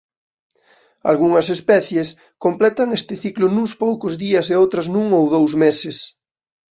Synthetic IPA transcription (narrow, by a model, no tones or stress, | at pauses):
a̰lɣuŋɐsespɛθjes | komplɛt̪ɐŋest̪ɪθiklʊnuŋspowkʊzðiɐseowt̪ɾɐznũŋowðowzmesɪs